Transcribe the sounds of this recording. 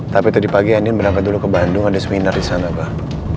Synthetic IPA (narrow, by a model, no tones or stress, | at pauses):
t̪apit̪udipaɡianɪnbəɾaŋkat̪̚dulukəbandʊŋadasəminardisanabah